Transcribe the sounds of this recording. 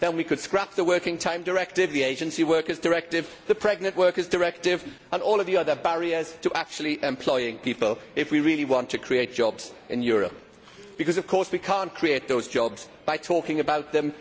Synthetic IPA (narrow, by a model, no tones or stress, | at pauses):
ðə̃nwikʰɨd̥skɹap̚ðəwɜˑ˞kɪ̃ŋtʰãɪ̃mdəɹɛk̚tɪvðieɪd͡ʒə̃nsiwɜˑ˞kəzdəɹɛk̚tɪv | ðəpʰɹ̥ɛɡ̚nə̃nʔwɜˑ˞kəzdəɹɛk̚tɪv | ə̃nɔːlˠəvðiəðəbaɹiəz̥tʰəʔak̚t͡ʃuəl̩ˠiʔɛ̃mpʰl̥ɔɪɪ̃ŋpʰipəlˠɪfwiɹɪːliwɒ̃ntʰɨkʰɹ̥ieɪt̚d̥ʒ̥ɒbz̥ʔɪ̰̃njɔːɹə̰p̚ | b̥ɨkʰʌzʌv̥kʰɔɹswikʰɑ̃ˑnkʰɹ̥ieɪt̪̚ðoʊzd͡ʒɒbz̥ | b̥aɪtʰɔˑkɪ̃ŋəbaʊt̪̚ðə̃m